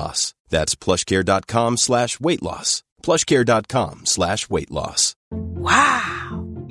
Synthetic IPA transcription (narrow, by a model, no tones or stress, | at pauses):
ɔ̰sðætspʰl̥ʌʃkʰɛɹdɑt̚kʰɑ̃mslæʃweɪʔˡlɔ̰s | pʰl̥ʌʃkʰɛɹdɑt̚kʰɑ̰̃mslæʃweɪʔˡlɔ̰swaʊ